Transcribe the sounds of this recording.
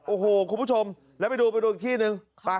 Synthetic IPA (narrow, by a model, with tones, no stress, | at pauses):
ʔo˨˧˩ɦoː˨˧˩kʰu˧mʰu˧˥˩t͡ɕʰo˧m | lɛː˨˦ma˧jduː˧pa˧jdo˧˩t̪ʰi˧˩nɯ˨˧ŋ | aː˨˧˩